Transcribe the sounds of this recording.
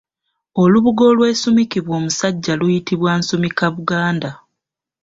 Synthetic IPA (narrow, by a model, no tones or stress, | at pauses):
oluβuɡo̞lwe̞ːsumikiβwo̞ːmusaɟːalujitiβwansumikaβuɡaːnda